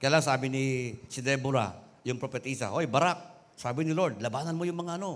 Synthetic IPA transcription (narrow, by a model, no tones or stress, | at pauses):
kɐjalaːaŋsaːbɪnisɪd̪ɛbʊɾa̰ | jʊŋpɾopɛt̪isa̰ʔojbɐɾak̚ | saːbɪnɪlo̞ɹd̪lɐbaːnɐnmojʊŋmɐŋaʔɐno̞